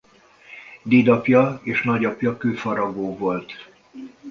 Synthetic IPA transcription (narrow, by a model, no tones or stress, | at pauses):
d̪eːd̪ɒpjɒeːʃnɒɟɒpjɒkøːfɒɾɒɡoːvo̞lt̪